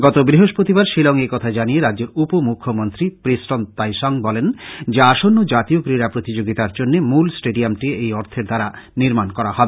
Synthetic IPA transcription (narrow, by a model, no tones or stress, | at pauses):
ɡɔt̪obɾiɦoʃpɾot̪ibaɾʃilɔŋekɔt̪ʰad͡ʑanijeɾadːd͡ʑeɾupomukʰːomont̪ɾipɾisʈont̪ajʃɔŋbɔlend͡ʑeaʃonːod͡ʑat̪ioɡɾiɾapɾot̪id͡ʑoɡit̪aɾd͡ʑonːemulsʈeɖiamʈiejɔɾt̪ʰeɾd̪aɾaniɾmankɔɾaɦɔbe